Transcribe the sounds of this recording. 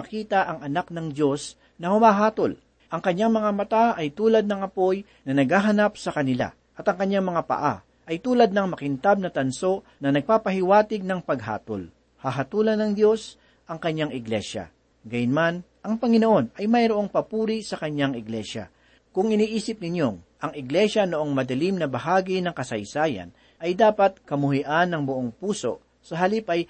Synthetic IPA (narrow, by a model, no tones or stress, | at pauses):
ɐkiːt̪ɐʔɐŋɐnak̚nɐŋd̪jo̞s | nɐhʊmaːɦaːt̪o̞l | ʔɐŋkɐɲːaŋmɐŋamɐt̪aɐjt̪uːlɐd̪̚nɐŋʔɐpo̞j | nɐnɐɡ̚haːɦɐnap̚sɐkɐnɪla̰ | ʔɐt̪ɐŋkɐɲaŋmɐŋapɐ̰ʔa̰ | ʔɐjt̪uːlɐd̪̚nɐŋmɐkɪnt̪ab̚nɐt̪ɐnso̞ʔ | nɐnɐɡ̚paːpɐhɪwaːt̪ɪɡ̚nɐŋpɐɡ̚ɦa̰ːt̪o̰l | haɦɐt̪uːlɐnɐŋd̪jo̞s | ʔɐŋkɐɲːaŋɪɡlɛʃɐ̰ | ɡajʊnman | ʔɐŋpɐŋɪnoʔo̞nɐjmɐjɾoʔo̞ŋpɐpuːɾisɐkɐɲːaŋɪɡlɛʃɐ̰ | kʊŋɪniːʔiːsɪp̚nɪnjo̞ŋʔɐŋɪɡlɛʃɐnoʔo̞ŋmɐd̪ɐlimnɐbɐɦaːɡinɐŋkɐsɐjsaːjɐ̰n | ʔɐjd̪aːpɐt̪̚kɐmʊɦɪʔanːɐŋbʊʔoŋpuːso̞̰ʔ | sɐɦɐlipʔɐj